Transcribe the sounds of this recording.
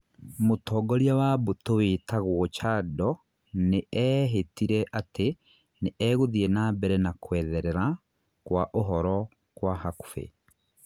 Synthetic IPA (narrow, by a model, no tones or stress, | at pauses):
motɔːɡɔɾiawabotowetaɣwɔt͡ʃaːdɔ | neɛɦetiɾɛʔate | neʔɛɣoðienabɛɾɛnakwɛðɛɾɛɾa | kwaʔoɦɔɾɔ | kwaɦaku̥fḛ